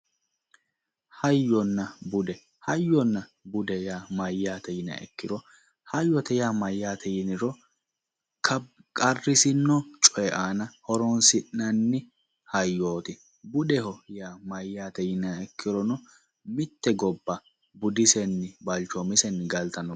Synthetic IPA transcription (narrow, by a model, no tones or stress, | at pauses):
hɐjːɔnːɐbʊd̪ɛ | hɐjːɔnːɐbʊd̪ɛjaːmɐjːaːt̪ɛjɪnɐ̰ɛ̰kːɪɾɔ | hɐjːɔt̪ɛjaːmɐjːaːt̪ʰɛjɪnɪɾɔ | kʰɐkʼɐrːɪsɪnːɔt͡ʃʼɔjɛʔaːnɐhɔɾɔnsɪʔnɐnːɪ | hɐjːoːt̪ɪ | bʊdɛhɔjaːmɐjːaːt̪ɛjɪnɐɛkːɪɾɔnɔ | mɪt̪ːɛɡɔbːɐ | bʊd̪ɪsɛnːɪbɐlt͡ʃɔmɪsɛnːɡɐlt̪ɐnɔ